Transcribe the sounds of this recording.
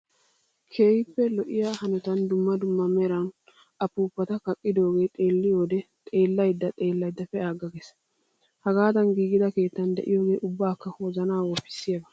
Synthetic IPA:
kʰe̞ːhɪpːɛlɔʔɪjaːhɐnɔt̪ɐnd̪ʊmːɐd̪ʊmːɐmɛɾɐn | ɐpuːpːɐt̪ɐkɐkʼːɪd̪o̞ːɡe̞ːt̪ʼe̞ːlːɪjo̞ːd̪ɛt̪ʼe̞ːlːɐjd̪ːɐt̪ʼe̞ːlːɐjd̪ːɐfɛaːɡɐɡes | hɐɡaːt̪ɐnɡiːɡɪd̪ɐke̞ːt̪ːɐnd̪ɛ̰ʔɪ̰jo̞ːɡe̞ːʔʊbːaːkːɐhoːzɐnaːwɔpːɪ̥sːɪjɐbɐ

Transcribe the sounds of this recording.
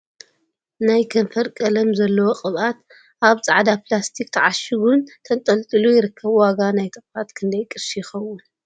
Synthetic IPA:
najkʰɐnfɐɾkʼɐlɐmzɐlːɐwoqʼɨβʔat̪ | ʔaβt͡sʼaʕd̪aplast̪ʰik̚ʼt̪ʰɐʕaʃɪɡunt̪ʰɐnt̪ʼɐlt̪ʼɨlujɪɾɨkʰːɐβwaɡanajt̪ʰɨχʼfat̪kʰɨnd̪ɐjkʼɨɾʃijɪxɐwːʊn

